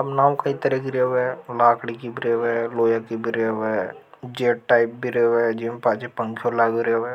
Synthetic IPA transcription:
ɐbnaːwkɐit̪ɐɾɛkiɾeːʋɦɛlaːkɽikibɾeːʋɦɛloːjakibʱiɾeːʋɛd͡ʒeːʈʈaːɪp̚bʱiɾeːʋɛd͡ʒimpaːt͡ʃipɐ̃ŋkʰijolaːɡiɾeʋɛ

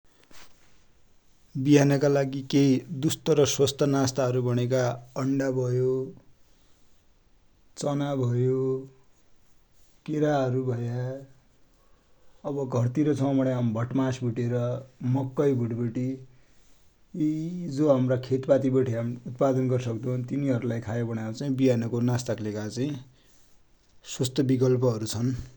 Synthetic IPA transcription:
biɦanʌkalaɡikeid̪ust̪ʌɾʌswʌst̪ʌnast̪aɦʌɾubʌɽ̃ek̬aʌɳɖabʱʌjo | t͡sʌnabʱʌjo | keɾaʌɾubʱʌja | ʌbʌɡʱʌrt̪iɾʌt͡sʰʌmbʌɽjambʱʌʈmasbʱuʈeɾʌmʌkːʌjbʱuʈbʌʈi | id͡zoɦamrakʰet̪pat̪ibʌʈʰiɦamut̪pad̪ʌnɡʌrsʌkd̪ʌunt̪iniɦʌɾulajkʰajebʌɽjaw̃t͡saĩbiɦanʌkonast̪aklekat͡saĩ | swʌst̪ʌbikʌlpʌɦʌɾut͡sʰʌn

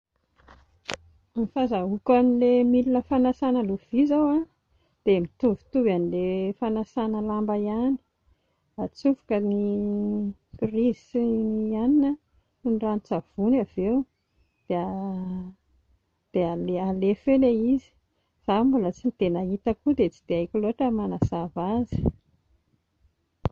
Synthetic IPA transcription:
mifazaukanilemilinəfanasanəluv̥izawa | d̪̥emit̪uvi̥t̪uvanilefanasanəlambajani̥ | at͡sufu̥kəni | kirizianinə | unranit͡sav̥unavew | d̪̥ea | d̪̥ealealefeleizi̥ | z̥ambulət͡sinit̪enait̪əkud̪et͡si̥d̪̥eajkʲiloaʈ͡ʂəmanazavazi̥

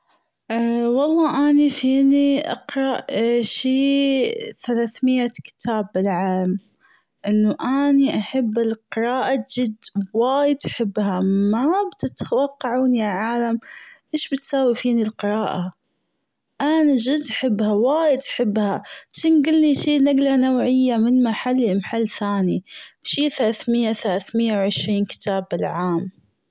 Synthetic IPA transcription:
ʔwɑlˤːɑːʔanifiːniʔɑ̰qɾˤɑʔʃiː | θalaːθmɪjːakɪ̥t̪ʰaːbːɪlʕaːlam | ʔɪnːʊʔaniʔaħabːɪlqɨɾˤɑːʔad͡ʒɪd̪waːjɪd̪ʔaħɪbːhamabt̪ɪt̪wɑqːɑʕuːnjaʕaːlamʔeːʃbɪt̪saːwifiːnilqɪɾˤɑːʔa | ʔanad͡ʒɪd̪ʔaħɪbːhawaːjɪd̪ʔaħɪbːhat͡ʃiːnɡɪlniʃiːnaɡlanawʕɪjːamɪnmaħalːɪlmaħalːθaːnibʃiːθalaːθmɪjːaθalaːθmɪjːawʕɪʃɾiːnkɪ̥t̪ʰaːbɪlʕaːm

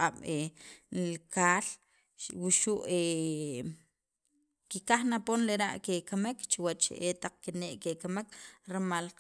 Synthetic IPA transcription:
aɓelkaːl | wuʃuʔe | kikaχnaponleɾa̰ʔkekamekt͡ʃiwat͡ʃḛʔet̪aq͡χ̚kineʔkekamekɾmalq

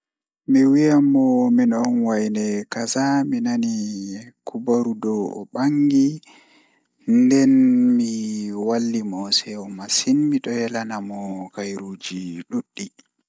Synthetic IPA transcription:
mɛwijamɔminɔnwajnɛkazaminanikʰubaɾudɔɔ̰ɓaŋɡi | ndɛnmiwalːimɔsɛɔmasinmiɗɔjɛlanamɔkajɾuːd͡ʒiɗuɗːi

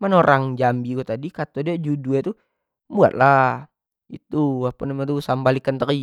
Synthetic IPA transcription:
mənoɾʔaŋd͡ʒambiɡuat̪adikat̪odiad͡ʒuduat̪u | bua̰t̪̚la | ḭt̪uapanamat̪usambalikant̪əki

